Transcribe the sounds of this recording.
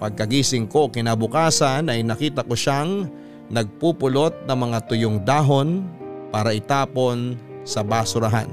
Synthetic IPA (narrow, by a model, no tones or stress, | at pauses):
pɐɡ̚kɐɡiːsɪŋko̞kɪnabʊkaːsɐnʔɐjnɐkiːt̪ɐkoʃaŋ | nɐɡ̚puːpʊlo̞t̪̚nɐŋmɐŋat̪ʊjoŋd̪aːɦo̞npaːɾɐʔɪt̪aːpo̞nsɐbaːsʊɾɐɦa̰n